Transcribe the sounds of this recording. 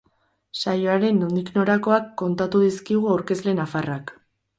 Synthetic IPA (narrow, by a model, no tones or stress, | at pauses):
sajo̞aɾe̞nond̪ikno̞ɾako̞akːo̞nt̪at̪uðiskiɣ̞uawɾke̞zle̞nafarak